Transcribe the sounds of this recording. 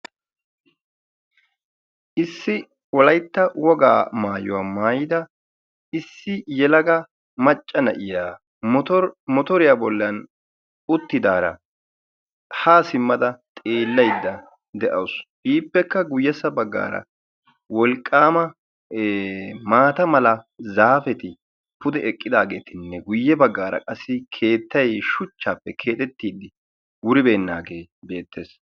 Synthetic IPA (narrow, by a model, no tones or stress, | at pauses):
ʔɪsːɪ | wɔlɐjt̪ːɐwɔɡa̰ːmaːjʊ̰waːmaːjɪd̪ɐ | ɪsːɪjɛlɐɡɐ | mɐt͡ʃʼːɐnɐ̰ʔɪjaː | ɾmɔt̪ɔɾɪjaːbɔlːɐn | ʊt̪ːɪd̪aːɾɐ̰ | haːsɪmːɐd̪ɐt̪ʼeːlːɐjd̪ːɐ | d̪ɛʔɐwsbiːpːɛkːɐɡʊjːɛsɐbɐɡːa̰ːɾɐ̰ | wɔlkʼːaːmɐ | maːt̪ɐmɐlɐzaːfɛt̪ɪ | pʊd̪ɛɛkʼːɪd̪aːɡe̞ːt̪ɪnːɛɡʊjːɛbɐɡːaːɾɐ̰kʼɐsːɪkʰe̞ːt̪ːɐjʃʊt͡ʃːaːpːɛkʰe̞ːt̪ʼɛt̪ːiːd̪ɪ | wʊɾɪbe̞ːnːaːɡe̞ːbe̞ːt̪ːe̞ːs